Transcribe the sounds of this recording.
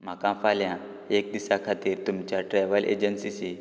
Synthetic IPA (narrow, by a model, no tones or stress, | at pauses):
m̤akãfaljã | ek̚d̪isakʰat̪iːɾt̪umt͡ɕjaʈɾajʋəlʔḛd͡ʑənsisi